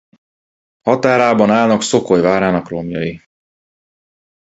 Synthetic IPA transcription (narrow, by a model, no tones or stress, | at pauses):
hɒt̪aːɾaːbɒnaːlnɒkso̞kojvaːɾaːnɒkromjɒji